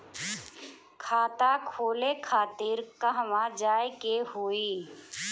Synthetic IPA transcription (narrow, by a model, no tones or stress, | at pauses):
kʰaːt̪akʰoːlekʰaːt̪ɪɾkaɦəmad͡ʒaːekehoːiː